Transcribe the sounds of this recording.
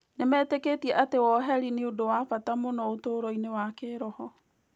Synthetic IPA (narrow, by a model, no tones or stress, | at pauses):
nemɛːteketiɛʔatewɔɦɛɾineodowafatamonɔotoːɾɔinewakeːɾɔhɔ